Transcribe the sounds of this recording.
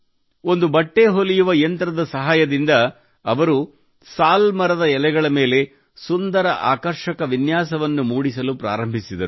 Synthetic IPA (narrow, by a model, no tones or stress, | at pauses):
o̞nd̪ubɐʈːe̞ɦolijuʋɐjɐnt̪ɾɐd̪ɐsɐɦaːjɐd̪ind̪ɐː | ʋɐɾu | saːlmɐɾɐd̪ɐɛlɛɡɐɭɐme̞ːle̞ | sund̪ɐɾɐʔa̰ːkɐɾʃɐkɐʋinjaːsɐʋɐnːumuːɽisɐlupɾa̰ːɾɐmbʱisid̪ɐɾu